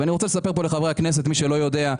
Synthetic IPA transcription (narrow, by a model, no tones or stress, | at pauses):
aniʁot͡selesape̞ʁp̬o̞leχavehaknes̬et̪miʃelo̞jo̞d̪e̞a